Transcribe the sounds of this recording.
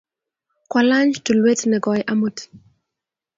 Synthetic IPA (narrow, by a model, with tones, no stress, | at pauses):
kwala˦ɲd͡ʒtu˨lwe˦tnɛ˨ɡɔjʔamut